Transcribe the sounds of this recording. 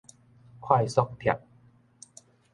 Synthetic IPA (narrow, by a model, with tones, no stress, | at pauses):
kʰwaː˥˧˩jsɔ˦˥k̚pʰja̰˨˩k̚